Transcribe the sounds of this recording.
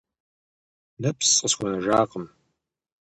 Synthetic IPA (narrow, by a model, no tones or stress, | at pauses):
nɐpʰsʼəsxʷɔnɐʒaːqəm